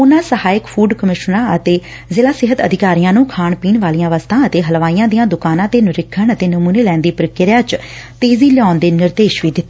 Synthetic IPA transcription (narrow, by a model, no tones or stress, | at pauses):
ʊnãːsəhaːɪkpʰuːɖkəmɪʃnãːət̪eː | zɪːlaːsɪɦət̪əd̪ʱɪkaːɾijãːnũːkʰaːɳpiːnʋaːlijãːʋəst̪ʰãːət̪eːɦəlʋaːijãːd̪ijãːd̪ʊkaːnãːt̪eːnɪɾɪkʰːəɳət̪eːnəmuːneːlɛ̃ːnd̪iːpəɾɪkɪɾjãːt͡ʃ | t̪eːziːlɪaːnd̪eːnɪɾd̪eːʃʋiːd̪ɪt̪ːe